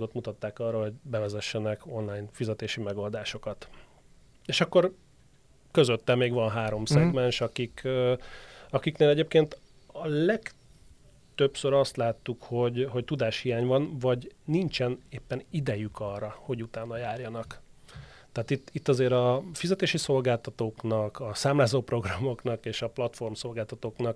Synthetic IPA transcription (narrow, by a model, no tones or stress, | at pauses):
ɡot̪mut̪ɒt̪ːaːkɒrːɒɦo̞ɟbɛvɛzɛʃːɛnɛko̞nlaːjnfizɛt̪eːʃimɛɡo̞ld̪aːʃo̞kɒt̪ | eːʃɒkːo̞r | køzøt̪ːɛmmːeːɡʋɒnɦaːɾo̞msɛɡmɛnʃɒkikː | ɒkikneːlɛɟeːp̚keːnt̪ | ɒlɛk | t̪øpsøɾɒst̪laːt̪ːukho̞ɟɦo̞ct̪ud̪aːʃhijaːɲvɒnvɒɟnint͡ʃɛneːpːɛnid̪ɛjykʰɒrːɒho̞ɟut̪aːnːɒjaːrjɒnɒk | t̪ɛːt̪it̪ːit̪ːɒzeːɾɒfizɛt̪eːʃiso̞lɡaːlt̪ɒt̪oːknɒkɒsaːmlaːzoːpro̞ɡrɒmo̞knɒkeːʃɒplɒt̪fo̞rmso̞lɡaːlt̪ɒt̪oːknɒk